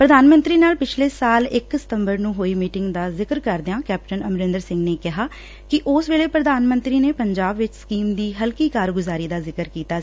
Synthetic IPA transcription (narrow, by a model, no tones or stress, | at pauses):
pɾəd̪aːnmə̃nt̪ɾiːnaːlpɪt͡ʃʰleːsaːlɪksɪ̥t̪əmbəɾnũːɦoːiːmiːʈɪŋɡd̪aːzɪkəɾkəɾd̪eãːkɛːp̚ʈənəmɾɪ̃nd̪əɾsɪ̃ŋɡneːkɪɦaː | kɪʔʊsʋeːɭeːpɾəd̪aːnmə̃nt̪ɾiːneːpəɲd͡ʒaːbʋɪt͡ʃskiːmd̪iːɦəlkiːkaːɾɡʊzaːɾiːd̪aːzɪkəɾkiːt̪aː